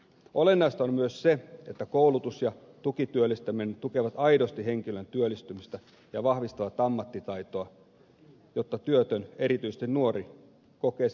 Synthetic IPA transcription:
ʔolenːɑist̪ommyøsseet̪ːækoulut̪usjɑ | t̪ukit̪yølːˑist̪æminːt̪ukeʋɑt̪ɑidost̪iheŋkilønt̪yølːˑist̪ymist̪æ | jɑʋɑhʋist̪ɑʋɑt̪ɑmːɑt̪ːit̪ɑit̪oɑ | jot̪ːɑt̪yøt̪øne̞ɾit̪yise̥st̪innuori | kokeː

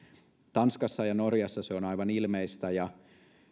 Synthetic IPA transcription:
t̪ɑnskɑsːɑjɑnorjɑsːɑseonɑiʋɑnilmeist̪æjɑ

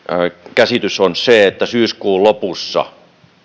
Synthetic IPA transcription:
kæsit̪ysonseet̪ːæsyːskuːlopusːɑ̰

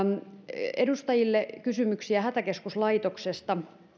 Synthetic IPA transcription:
edust̪ɑjilːekysymyksiæhæt̪ækeskuslɑit̪oksest̪ɑ

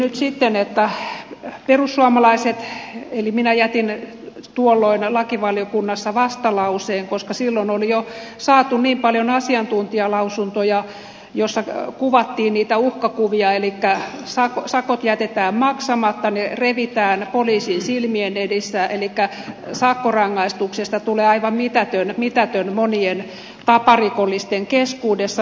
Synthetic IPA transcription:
nyt̪sit̪ːenet̪ːæ | perusːuɑmɑlɑiset̪eliminæjæt̪in | t̪uolːoinlɑkiʋɑljokunːɑsːɑʋɑst̪ɑlɑuseːŋkoskɑsilːonolijo | sɑːt̪unniːmpɑljonɑsiɑnt̪unt̪iɑlɑusunt̪ojɑ | josːɑkuʋɑt̪ːiːnniːt̪æuhkɑkuʋiɑelikːæsɑkosɑkot̪jæt̪et̪æːmmɑksɑmɑt̪ːɑnereʋit̪æːnpoliːsinsilmienedisːæʔelikːæsɑkːorɑŋːɑist̪uksest̪ɑt̪uleːɑiʋɑmmit̪æt̪ønmit̪æt̪ønmonien | t̪ɑpɑrikolːist̪eŋkeskuːdesːɑ

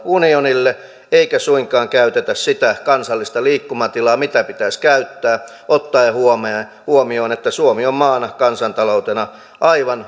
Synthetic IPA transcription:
unionilːe | eikæsuiŋkɑːŋkæyt̪et̪æssit̪ækɑnsɑlːist̪ɑliːkːumɑt̪ilɑːmit̪æpit̪æskæyt̪ːæː | ʔot̪ːɑjhuome | huomioːnet̪ːæsuomiommɑːnɑkɑnsɑnt̪ɑlout̪enɑ | ʔɑiʋɑn

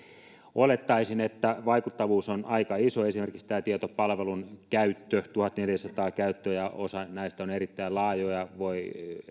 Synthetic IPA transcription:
olet̪ːɑisinet̪ːæʋɑikut̪ːɑʋuːsonɑikɑisoesimerkikst̪æːt̪iet̪opɑlʋelunkæyt̪ːøt̪uhɑt̪neljæsɑt̪ɑːkæyt̪ːøjɑosɑnæist̪æonerit̪ːæilɑːjojɑʋoi

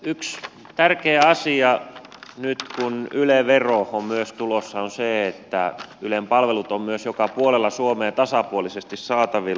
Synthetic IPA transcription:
yks | t̪ærkeːɑsiɑnyt̪kunyleʋeroommyøst̪ulosːɑonseet̪ːæ̰ylempɑlʋelut̪ommyøsjokɑpuolelːɑsuomeːt̪ɑsɑpuolisest̪issɑːt̪ɑʋil

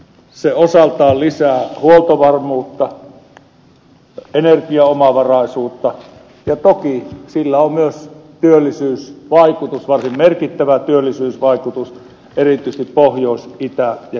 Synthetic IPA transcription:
seosɑlt̪ɑːllisæːhuolt̪oʋɑrmuːt̪ːɑ | enerkiɑomɑʋɑrɑˑisuːt̪ːɑ | jɑt̪okisilːæommyøst̪yølːisyːsʋɑˑikut̪usʋɑrsimmerkit̪ːæʋæt̪yølːisyːsʋɑˑikut̪us | erit̪ˑyˑs̆t̪ippohjoˑisʔit̪æjɑ

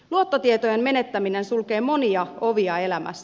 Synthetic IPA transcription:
luot̪ːot̪iet̪ojemme̞net̪ːæminensulke̞ːmo̞niɑo̞ʋiɑe̞læmæ̰sːæ

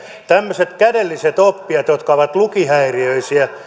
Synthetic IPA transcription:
t̪æmːøset̪kædelːiset̪opːiɑt̪jot̪kɑʋɑt̪lukihæiriøisiæ

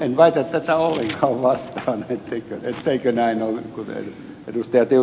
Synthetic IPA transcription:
enʋæit̪æt̪t̪ːæt̪æolːeŋkʰɑːʋʋɑst̪ɑːnet̪ːeikøet̪ːeikønæinolkunḛ | ḛdust̪ɑjɑt̪iu

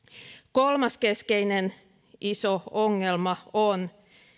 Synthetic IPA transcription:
kolmɑskeskeinen | ʔisooŋːelmɑon

